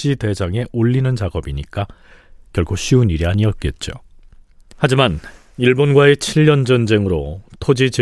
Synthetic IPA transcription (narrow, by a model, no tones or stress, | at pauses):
d͡ʑ͈ide̞d͡ʑaŋe̞ʔoʎːinɯnt͡ɕaɡʌbiɲik͈a | kjʌɭkʰoɕ͈ʰiuniɾiaɲiʌt̚k͈e̞t̚t͡ɕ͈o̰ | had͡ʑiman | iɭbonɡwae̞t͡ɕʰiʎːʌnd͡ʑʌnd͡ʑe̞ŋɯɾotʰod͡ʑit͡ɕi